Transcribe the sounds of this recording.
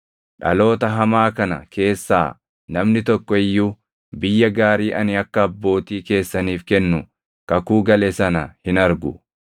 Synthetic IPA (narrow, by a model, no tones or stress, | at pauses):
ᶑɐ̰lo̞ːt̪ɐɦɐmaːkɐnɐ̰kʰe̞ːsːa̰ː | nɐmnɪt̪ɔkːɔɪjːuː | bɪjːɐɡaːɾiːʔɐnɪɐkːɐːbːo̞ːt̪iːke̞ːsːɐniːfkɛnːʊ | kɐkuːɡɐlɛsɐnɐhɪnɐɾɡʊ̰